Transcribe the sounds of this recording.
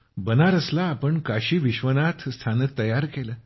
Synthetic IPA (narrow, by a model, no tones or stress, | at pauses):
bənaɾəslaːpəɳkaɕiːʋiɕʋənat̪ʰst̪ʰanək̚t̪əjaɾkeləː